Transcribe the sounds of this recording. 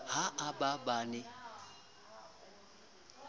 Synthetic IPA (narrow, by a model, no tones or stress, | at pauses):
haʔababanɪ